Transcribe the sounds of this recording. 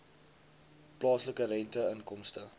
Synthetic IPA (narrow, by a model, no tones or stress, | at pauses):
plɑːsləkəɾɛntəənkɔmstə